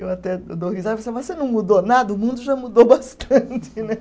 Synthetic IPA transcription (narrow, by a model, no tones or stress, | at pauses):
ewat̪ɛd̪ohizad̪vosevosenɐ̃w̃mud̪onad̪ɐʊmũnd̪ʊʒamud̪obast̪ɐ̃t͡ʃ̪ɪnɛ